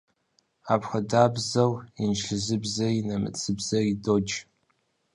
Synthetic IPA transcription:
apʰχadabzawinʃɬɨzɨbzainamɨ̰t͡sʰɨbzaidod͡ʒ

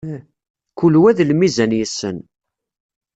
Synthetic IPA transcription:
kulwæðlmizænjəsːə̰n

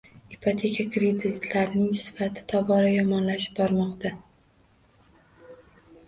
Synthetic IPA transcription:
ipʰat̪ʰe̞kʰʲakɾed̪ɪt̪ʰlaɾnɪŋsɪ̥fat̪ʰɪ̥t̪ʰɒbɒɾajɒmɒnlaʃɪ̥pbɒɾmɒqt̪ʰa

